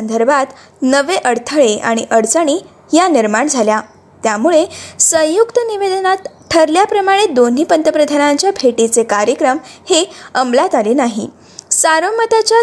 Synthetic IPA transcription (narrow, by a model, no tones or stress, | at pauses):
ənd̪əɾbʱat̪ | nəʋeʔəɽt̪ʰəɭea̰ɽ̃iʔəɽt͡səɽ̃iː | janiɾmaɳd͡zʱalja | t̪jamuɭesə̃jukt̪əniʋed̪ənat̪ | ʈʰəɾljapɾəmaɽ̃ed̪on̤iːpənt̪əpɾəd̪ʱanaɲt͡ɕjabʱeʈit͡sekaɾjəkɾəmheəmlat̪aliːnaɦḭ | saɾəmət̪at͡ɕja